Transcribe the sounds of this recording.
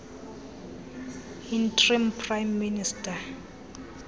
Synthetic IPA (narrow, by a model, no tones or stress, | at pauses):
intʰʼrimpʰʼrajmːinistʼa